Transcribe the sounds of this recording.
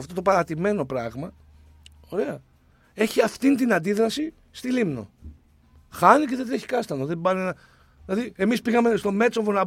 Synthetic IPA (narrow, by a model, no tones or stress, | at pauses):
ft̪o̞t̪o̞pɐɾɐt̪ime̞no̞pɾɐɣmɐ | o̞ɾe̞ɐ | e̞çiɐft̪int̪inɐnd̪iðɾɐsi | st̪ilimno̞̰ | xɐniceðe̞d̪ɾe̞çi̥kɐst̪ɐnoðe̞bɐnenɐ | ðilɐðie̞mispiɣɐme̞st̪o̞me̞t͡sovonɐb